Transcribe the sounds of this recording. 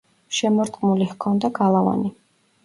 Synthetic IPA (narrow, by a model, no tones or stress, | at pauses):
ʃɛmɔɾt̪ʼqʼmulihkʰɔnd̪aɡalˠava̰ni